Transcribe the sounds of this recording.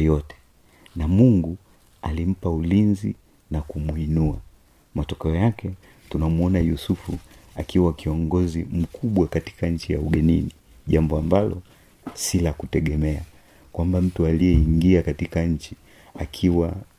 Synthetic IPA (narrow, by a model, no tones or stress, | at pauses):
jɔtɛ̥ | namuŋɡu | alim̩paulinzi | nakumuinua | matɔkɛɔjakɛ | tunamuɔnajusufuakiwakiɔŋɡɔzim̩kʰuɓwakati̥kaɲ̩t͡ʃijauɡɛnini | ʄambɔambalɔ | silakutɛɠɛmɛa | kwambam̩tualijɛiŋɡiakatikaɲ̩t͡ʃi | akʰiwa